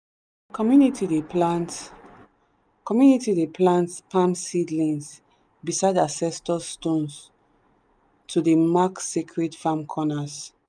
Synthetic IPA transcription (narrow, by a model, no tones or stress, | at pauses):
kɔmjunitʰideplant | kɔmjunitidepʰlãntpʰãmsidlĩns | bisaɪdasɛstɔstõns | tʰudemaksikʰɹetfãmkʰɔnas